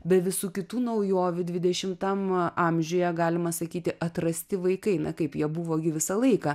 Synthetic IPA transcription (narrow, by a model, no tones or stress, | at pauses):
bʲɛt̪ʋʲɪsuːkʲɪt̪uːnɐʊjoːʋʲʊd̪ʲʋʲɪd̪ʲɛʃʲɪmt̪ɐmɑmʲʒʲoːjɛɡɑːlʲɪmɐsɐkʲiːt̪ʲɪʔɐt̪rɐsʲt̪ʲɪʋɐɪkɐɪnɐkɐɪpjiɛbʊʋoːɡʲɪʋʲɪsɐlˠɐɪkɑ